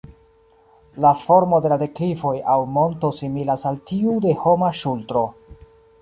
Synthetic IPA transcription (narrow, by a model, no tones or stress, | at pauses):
lafo̞ɾmo̞de̞lade̞kɾivo̞jawmo̞nto̞similasaltiude̞ho̞maʃultɾo̞